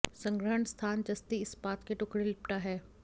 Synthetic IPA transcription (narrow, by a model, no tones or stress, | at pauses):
sɐ̃ŋɡɾəɦəɳst̪ʰaːnd͡ʒɐst̪iɪspaːt̪keʈʊkɽelɪp̚ʈaɦɛː